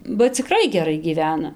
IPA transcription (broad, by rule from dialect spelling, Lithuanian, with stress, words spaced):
bɐ t͡sʲɪˈkrɐɪ ɡʲɛˈrɐɪ ɡʲiːˈʋʲæːnɐ